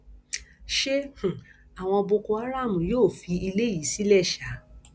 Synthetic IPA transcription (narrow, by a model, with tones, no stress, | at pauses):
ʃe˦h̩˨a˨w̃ɔ̃˧o˧bo˧ko˧a˦ɾa˦˨mũ˨joː˦˨fi˨˧i˧le˦ji˨˦si˦lɛ˦˨ʃa˨˦